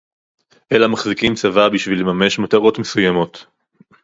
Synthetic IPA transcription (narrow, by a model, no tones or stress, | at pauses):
ʔelamaχzikimt͡savabiʃvilːemame̞ʃmataʁo̞tme̞sujamo̞t̪